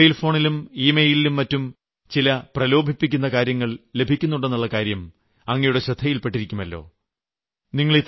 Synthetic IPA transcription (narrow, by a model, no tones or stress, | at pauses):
jlfo̞ːɳilumiːmejjililumːɐtːum | t͡ɕilɐprɐlo̞ːbʱipːikʲːun̪ːɐkaːɾjɐŋːɐɭle̞bʱikʲːunːuɳɽːenːuɭːɐkaːɾjɐm | ɐŋːɐjuɽe̞ɕrɐd̪ʱɐjilpe̞ʈːiɾikʲːumɐlːo̞̰ː | niŋːɐɭit̪